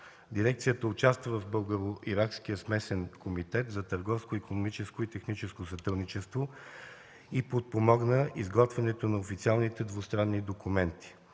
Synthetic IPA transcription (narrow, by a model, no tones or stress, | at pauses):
d̪iɾɛk̚t̪sijət̪əʊt͡ʃast̪vəvɐfbɤlˠɡəɾoiɾakskijəsmɛsɛnkʰomit̪ɛt̪zɐt̪əɾɡɔfskoikonomit͡ʃɛskoit̪ɛxnit͡ʃɛskosɐt̪ɾəd̪nit͡ʃɛst̪vo | ipot̪̚pomɔɡnəizɡɔt̪vɛnɛt̪onɐofit̪sialˠnit̪ɛd̪vost̪ɾanːid̪okumɛnt̪i̥